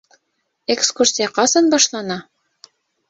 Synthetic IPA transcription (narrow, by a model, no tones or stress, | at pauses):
ekskursʲijɑqɑsɑnbɑʃlˠɑnɑ